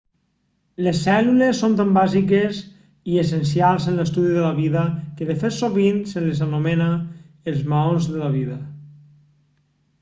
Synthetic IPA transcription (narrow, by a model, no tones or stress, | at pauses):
lesːɛlulesːont̪ambazikes | iesens̬ialˠzenlest̪uðiðelaβiðəkeðefet̪soβinselezanomena | elˠzmaonzðelaβ̞iðɐ